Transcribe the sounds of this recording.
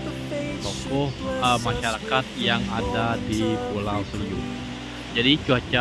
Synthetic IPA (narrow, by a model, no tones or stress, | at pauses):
t̪ɔkɔhəmaʃaɾakat̪̚jaŋadadipulawsuɾiu | d͡ʒadit͡ʃuat͡ʃa